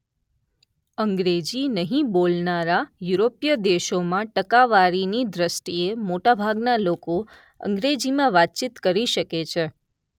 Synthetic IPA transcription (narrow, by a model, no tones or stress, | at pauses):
əŋɡɾed͡ʒinəɦĩbolnaɾajuɾopijəd̪eʃomãʈəkaʋaɾinid̪ɾəsʈ̪iemoʈabʱaɡnaloko | ə̰ŋɡɾed͡ʒimãʋat̪̚t͡ʃit̪kəɾiʃəket͡ʃʰe